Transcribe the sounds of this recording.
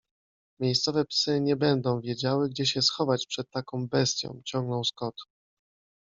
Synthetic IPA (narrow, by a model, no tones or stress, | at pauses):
mʲjejst̪sɔvɛpsɘɲɛbɛnd̪ɔ̃w̃vʲjɛd͡ʑawɘɡd͡ʑɛɕɛsxɔvat͡ɕpʂɛt̪ːakɔ̃w̃bɛst̪ʲjɔ̰̃w̃t͡ɕɔ̃ŋɡnɔ̃w̃skɔt̪